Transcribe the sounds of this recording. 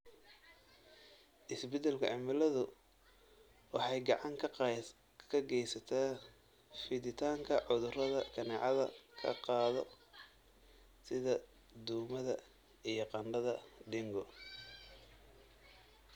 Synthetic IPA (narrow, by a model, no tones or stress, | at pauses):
ʔɪsbɛd̪ɛlkʰʊʕɑmɪlɐðʊ | wɑħɑjɡɑʕɑŋkʰ | kʰɐɡɛjsɐt̪ʰaː | fɪðɪt̪ʰaːŋkʰɐʕʊðʊrɐðɐkʰɐnɛːʕɑðɐkʰɐ̰qɑːðɔ̰ | sɪðɐ | d̪uːmɐðɐ | ijɞqɑnɖɐðɐɖɪŋɡɔ